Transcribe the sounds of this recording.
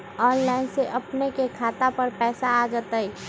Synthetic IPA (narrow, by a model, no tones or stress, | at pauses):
ɔːnlaːɪnseʔɐpnekekʰaːt̪apəɾpɛːsaːd͡ʒət̪əi